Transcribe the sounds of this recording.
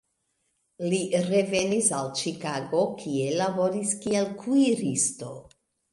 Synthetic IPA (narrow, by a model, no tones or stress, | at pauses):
liɾe̞ve̞nisalt͡ʃikaɡo̞kʰie̞labo̞ɾiskielkʰujɾisto̞